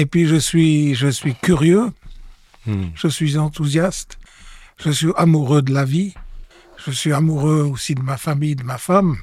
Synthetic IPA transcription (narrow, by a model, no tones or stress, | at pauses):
epɥiʒəsɥiʒəsɥikʲyʁjø | ʒ̥əsɥizɑ̃t̪uzjast̪ʒ̥əsɥiamuʁød̪əlavi | ʒ̥əsɥiamuʁøosid̪əmafamijd̪əmafam